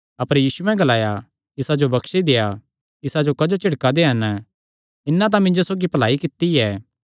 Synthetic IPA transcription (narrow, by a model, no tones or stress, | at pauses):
ɐpəɾjiːsuɛ̃ɡɐlaːja | tɪsad͡ʒobɐkʃid̪eja | ɪsad͡ʒokɐd͡ʒot͡ʃɪɽkad̪eɦɐn | ɪnːãt̪̬ãmɪ̃nd͡ʒosoːɡipɐlaːikɪt̪ːiɛː